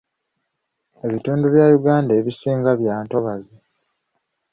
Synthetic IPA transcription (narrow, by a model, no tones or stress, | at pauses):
e̞βituːnduβjajuɡaːndaeβisiːŋɡaβjaːnto̞βazi